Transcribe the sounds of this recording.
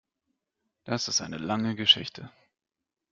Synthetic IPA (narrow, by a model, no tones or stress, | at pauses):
d̥asɪstʔa̰ɪnəlaŋəɡəʃɪ̰çtʰə